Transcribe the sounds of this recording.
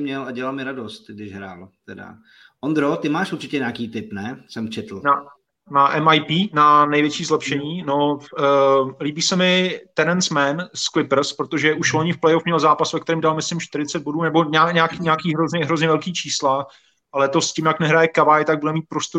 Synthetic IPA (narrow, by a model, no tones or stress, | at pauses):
mɲɛlaɟɛlalmɪɾadost̪̚ɡdɪʃɦɾa̰ːlt̪ɛda̰ | ʔond̪ɾot̪ɪmaːʃuɾt͡ʃɪcɛɲaːkiːt̪ɪpnɛsɛmt͡ʃɛt̪l̩na | naʔɛmajpiːnanɛjvjɛt͡ʃiːzlɛpʃɛɲiːno | liːbiːsɛmɪt̪ɛnɛnsmɛnsklɪpɾr̩spɾot̪o̞ʒɛʔuʃloɲɪfplɛjofmɲɛlzaːpasvɛkt̪ɛɾiːmdalmɪslɪmʃt̪ɪɾɪt͡sɛd̪̚bo̞duːnɛboɲaɲaːkiɲaːkiːɦɾozɲɛɦɾo̞zɲɛvɛlkiːt͡ʃiːsla | ʔalɛt̪o̞scɪmjaknɛɦɾajɛkavajɪt̪aɡ̚budɛmiːt̪̚pɾost̪o